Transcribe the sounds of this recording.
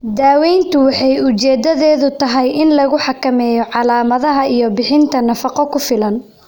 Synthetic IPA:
d̪aːwɛjnt̪ʰʊwɑħɑjʊt͡ʃɛːd̪ɐðɛːðʊt̪ʰɐɦɛjɪnlɐɣʊħɑkɐmɛːjɔʕɑlaːmɐðɐɦɐijɞbɪħɪnt̪ʰɐnɐfɑqɔkʰʊfɪlɐn

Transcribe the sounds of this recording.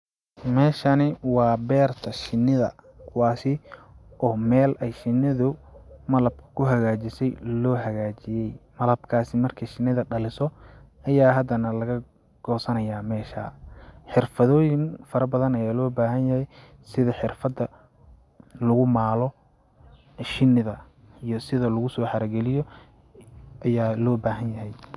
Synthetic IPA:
mɛːʃɐnɪwɑːbɛːrt̪ʰɐʃɪnːɪðɐ̰ | kʰʊwɑːsɪʔɔːmɛːlɛjʃɪnːɪðʊmɐlɐb̚kʰɐ̥kʰʊɦɐɣaːt͡ʃɪsɛjlɔːɦɐɣaːt͡ʃɪjɛjmɐlɐbkʰaːsɪmɐrkʰɐʃɪnːɪðɐɖɐlɪsɔɐjaːɦɐd̪ɐnɐlɐɣɐ | ɡ̥ɔːsɐnɐjaːmɛːʃa̰ːħɪrfɐðɔːjɪŋfɐɾɐbɐðɐnɐjaːlɔːbaːɦɐnjɐhɛj | sɪðɐħɪrfɐd̪ɐ | lʊɣʊmaːlɔ | ʃɪnːɪðɐ | ijɔsɪðɐlʊɣʊsɔːħɑɾɐɡɛlɪjɔ | ʔɐjaːlɔːbaːɦɐnjɐɦɛj

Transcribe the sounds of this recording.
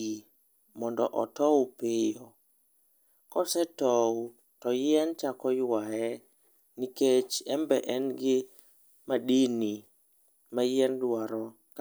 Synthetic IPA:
i | mɔndɔ̰ʔɔtɔpɪjɔ | kɔsɛtɔ | tɔjɛnt͡ʃakɔjwaɛ | niket͡ʃɛmbɛ̰ʔɛnɡɪ | maɗini | majɛndwaɾɔ | k

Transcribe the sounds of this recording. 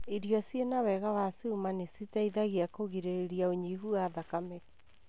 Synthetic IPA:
iɾiɔsjenawɛɣawasiumanesitaiðaɣiakoɣiɾeɾeɾiaoɲiɦuaðakamɛ

